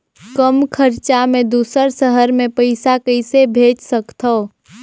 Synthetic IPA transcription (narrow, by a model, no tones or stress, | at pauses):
kəmkʰəɾt͡ʃamẽd̪uːsəɾsəɦəɾmẽpəɪsakəɪsebʱeːd͡ʒsəkt̪ʰoː